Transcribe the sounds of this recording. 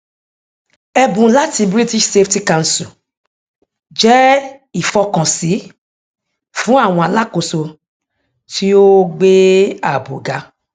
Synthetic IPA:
ɛ˧bũ˨˦la˦ti˧bɾi˦ti˦ʃse˦fti˦ka˦˧˨n̩˨su˨ | d͡ʒɛ˦i˦˨fɔ˧kã˨si˨˦ | fũ˨˦a˦˨w̃ɔ̃˧a˨la˦ko˨so˧ | tʰi˦o˦ɡ͡be˦a˨bo˨ɡa˨˧˦

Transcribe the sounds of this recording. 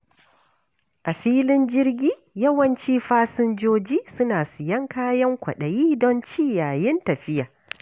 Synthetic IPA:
ʔa˨ɸiː˦lɪ˦nd͡ʒɪ˦rɡʲiː˦ | jɐ˦wɐ˨nt͡ʃiː˦ɸaː˦sʊ˦nd͡ʒoː˦d͡ʒiː˦sʊ˦naː˨sɪ˨jɐ˦ŋkaː˦jɐ˦ŋkʷɐ̰˨ɗɐ˨jiː˦dɔ˦nt͡ʃiː˦jaː˨jɪ˦ntɐ˨ɸɪ˦jaː˨

